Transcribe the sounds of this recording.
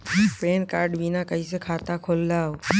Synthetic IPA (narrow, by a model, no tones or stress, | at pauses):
peːnkaːɾɖbinakəisekʰaːt̪akʰolːao